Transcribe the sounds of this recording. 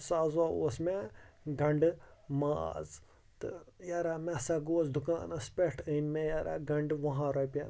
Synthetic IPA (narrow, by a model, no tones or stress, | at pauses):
saːzao̰ːsmeɡɐɳɖɨmaːz | t̪ɨjaɾaːmɛsaːɡoːzd̪ʱuka̰ːnɐspʲeʈʰənmẽjaːɾa̰ːɡɐɳɖʋɐɦãːɾɐpʲen